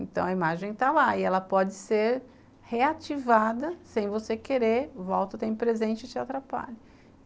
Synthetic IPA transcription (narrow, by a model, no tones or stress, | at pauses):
ẽnt̪ɐ̃w̃ɐimaʒẽj̃t̪alaɪɛlɐpɔd͡ʒɪseɾ | heat͡ʃivad̪ɐsẽj̃vosekeɾevɔwt̪ɐʊt̪ẽj̃pɾezẽnt͡ʃɪt͡ʃɪat̪ɾapa̰ʎʊ